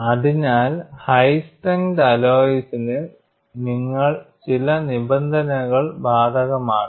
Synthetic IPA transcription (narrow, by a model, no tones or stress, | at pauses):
ɐðiɲaːlhɐjstɐŋɡdɐloːjisinɨ | niŋːɐɭt͡ɕilɐnibɐnd̪ʱɐnɐɣɐɭbaːd̪ʱɐɣɐmaːɳ